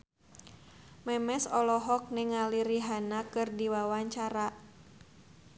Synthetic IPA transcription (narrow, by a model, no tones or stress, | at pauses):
mɛmɛsɔlɔɦɔk̚nɛŋaliɾiɦanakɨrdiwawaɲt͡ʃaɾa